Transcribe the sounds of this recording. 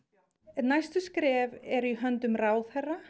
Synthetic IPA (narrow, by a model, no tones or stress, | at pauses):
ɛt̪najst̪ʏskɾɛːvɛɾiɦœnt̪ʏmraːwðhɛra